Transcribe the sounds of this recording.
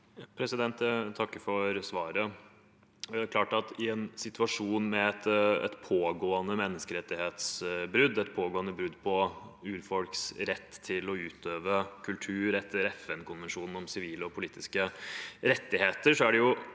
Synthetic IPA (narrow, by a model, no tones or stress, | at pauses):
pʰɾɛsɪd̪ɛnt̪jæt̪ʰɑkːəfɔɾsʋɑːɾə | d̪ækʰlɑːʈɑt̪ɪɛnsɪt̪ʉɑʂuːnmɛɛt̪ɛ̰t̪pʰoːɡoːənəmɛnːəskəɾɛt̪ːɪheːt̪sbɾʉd̪ːɛt̪pʰoːɡoːənəbɾʉd̪ːpʰɔʉːɾfɔlksɾɛt̪ːtʰːɪlɔʉːt̪ʰøːʋəkʰʉlt̪ʰʉːɾɛt̪ʰːəɾɛfɛnkʰʊnʋɛnʂuːnn̩ɔmsɪʋiːləɔpʰʊliːt̪ɪskəɾɛt̪ːɪheːt̪əʂɔæɖɛjʊ